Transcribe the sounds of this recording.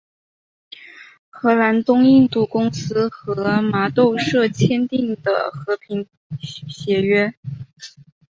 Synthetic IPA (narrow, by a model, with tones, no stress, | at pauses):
xɤ˧˥la˧˥nt̪ʊ˥ŋi˥˧nt̪u˥˩kʊ˥ŋsɹ̩˥xɤ˧˥ma˧˥t̪o˥˧ʊʂɤ˥˧t͡ɕʰjɛ˥nt̪i˥˩ŋd̪ə̰˩xɤ˧˥pʰi˧˥ŋ | ɕjɛ˧˥ɥɛ˥